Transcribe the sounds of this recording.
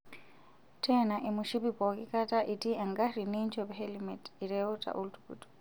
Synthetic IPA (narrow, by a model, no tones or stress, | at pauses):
tʰɛnaʔimuʃipipɔkikataʔitiʔaŋɡaɾinint͡ʃɔpɦɛlimɛtiɾɛuta̰ʔultu̥kṵtu̥